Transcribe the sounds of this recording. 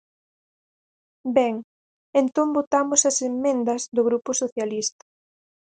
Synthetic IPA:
bɛŋ | ent̪ombot̪amʊsɐsemːẽnd̪ɐzðoɣ̞ɾupʊsoθjalist̪ɐ̥

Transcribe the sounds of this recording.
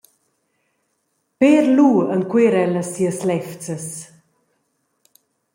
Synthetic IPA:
peːɾluːənkweɾɛləsːiəslɛft͡səs

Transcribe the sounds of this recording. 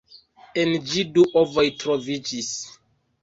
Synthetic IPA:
end͡ʒiduʔovojtɾovid͡ʒis

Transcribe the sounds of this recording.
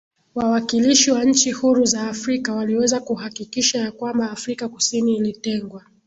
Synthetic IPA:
wawakiliʃiwaɲ̩t͡ʃihuɾuzaːfɾikawaliwɛzakuhakikiʃajakwambaːfɾikakusiniːlitɛŋɡwa

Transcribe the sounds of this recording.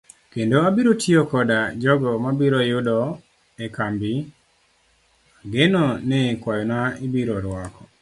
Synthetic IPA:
kendoabiɾotʰiokɔdad͡ʒɔɡɔmabiɾɔjʊdɔ | ɛkambi | aɡenɔnɛkwajɔnaibiɾɔɾwakʰɔ̥

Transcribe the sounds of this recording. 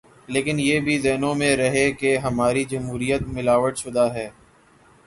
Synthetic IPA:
leːkɪnjeːbʱizɛːnõmẽɾɐɦekeɦɐmaːɾid͡ʒɐmɦuːɾijət̪mɪlaːʋəʈʃʊd̪aɦɛː

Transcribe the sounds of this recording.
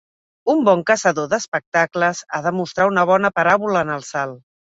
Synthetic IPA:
umbɔŋkəsəðoðəspək̚t̪akləzaðəmust̪ɾaunəβ̞ɔnəpəɾaβuləːnəlˠsalˠ

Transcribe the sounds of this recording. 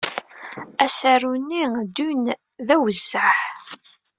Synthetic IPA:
æsaɾunːid̪un | ðæwəzːaħ

